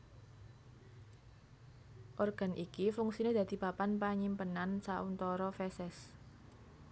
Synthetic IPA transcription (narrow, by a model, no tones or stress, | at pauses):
ʔorɡ̥a̤nʔikifuŋksined̪̥ä̤d̪̥i̤papanpaɲimpənansaʔunt̪ɔɾɔfɛsɛs